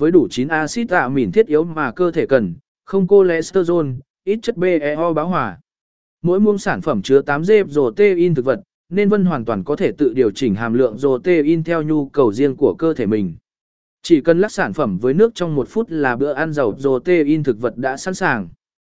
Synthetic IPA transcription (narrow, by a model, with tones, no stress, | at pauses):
vəː˨˦jɗu˧˩t͡ɕi˨˦nʔaː˧sḭ˦˥t̪a̰ː˧˨wmi˧˩nt̪ʰi˦˥t̚ʔi˨˦əwmaː˨˩kəː˧t̪ʰe˧˩kə˨˩n | xə˧wŋ͡mko˧lɛ̰˧˥səː˧zo˧n | ʔi˦˥t̚t͡ɕə˦˥t̚ɓe˧ʔɛ˨˧ʔɔ˧ɓaː˨˦wɦwaː˨˩ | mo̰˧˥jmu˧əŋsaː˧˩nfə˧˩mt͡ɕɨ˨˦ət̪aː˨˦mze˧p̚zo˨˩t̪e˧ʔi˧nt̪ɨ˨˩k̚və˨˩t̚ | ne˧nvə˧nɦwaː˨˩nt̪waː˨˩nkɔ˨˦t̪ʰe˧˩t̪ɨ̰˧˨ɗi˨˩əwt͡ɕï˨˩ŋ̟ɦaː˨˩mlɨ̰˧˨əŋzo˨˩t̪e˧˩ʔi˧nt̪ʰɛ˧wɲu˧kə˨˩wzi˧ənku˧˩əkəː˧t̪ʰe˧˩mï˨˩ŋ̟ | t͡ɕi˧˩kə˨˩nla˦˥k̚saː˧˩nfə˧˩mvəː˨˦jnɨ˦˥ək̚t͡ɕɔ˧wŋ͡mmo˨˩t̚fu˦˥t̚laː˨˩ɓɨ̰˧˨əʔaː˧nzə˨˩wp̚zo˨˩t̪e˧ʔi˧nt̪ʰɨ˨˩k̚və˨˩t̚ɗa̰ː˧˥sa̰ː˧˥nsaː˨˩ŋ